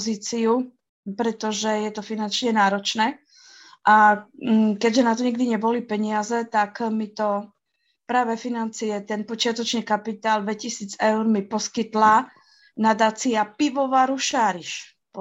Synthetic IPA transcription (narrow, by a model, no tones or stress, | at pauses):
ziːt͡siu | pɾɛt̪ɔʒɛjɛt̪ɔfinant͡ʃɲɛnaːɾɔt͡ʃnɛː | ʔa | kɛɟʒɛnat̪ɔɲiɡd̪iɲɛbɔlipɛɲɪazɛt̪akmit̪ɔ | pɾaːʋɛfinant͡sijɛt̪ɛnpɔt͡ʃɪat̪ɔt͡ʃɲɛkapit̪aːld̪ʋɛcisiːd͡zɛʊɾmipɔskit̪la | nad̪aːt͡siapiʋɔʋaːɾuʃaːɾiʃ | p